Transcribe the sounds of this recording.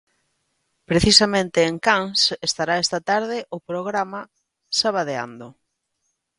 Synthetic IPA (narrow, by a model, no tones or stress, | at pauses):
pɾeθisamẽnt̪ɪːŋkaŋsest̪aɾaest̪at̪aɾðɪʔʊpɾoɣɾama | saβaðea̰nd̪o